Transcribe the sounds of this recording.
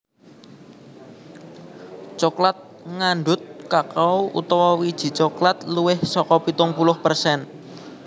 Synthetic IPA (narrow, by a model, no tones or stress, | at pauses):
t͡ʃɔklat̪̚ | ŋanɖʊt̪̚kakawṵt̪ɔwɔwid̥ʒ̥i̤t͡ʃɔklat̪luwɪhsɔkɔpit̪ʊŋpulʊhpərsɛn